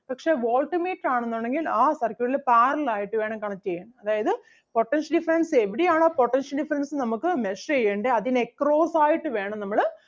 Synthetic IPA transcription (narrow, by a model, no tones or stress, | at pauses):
pɐkʂe̞ʋoːlʈimeːʈːaːɳenːoːɳɖe̞ŋɡilaːsɐrkʲjuɭilpaːɾɐlaːjiʈːɨʋeːɳɐmkɐɳɐtːt͡ɕejːɐːɳɐmɐðaːjɐðɨ | po̞ʈːenʂɐɖifɐɾɐnse̞ʋiɽijaːɳaːpo̞ʈːenʂɐlɖifɐɾɐnsɨnɐmukːɨmeʂejːeːɳɖeɐðinekːro̞ːsaːjiʈːɨʋe̞ːɳɐmnɐmːɐɭ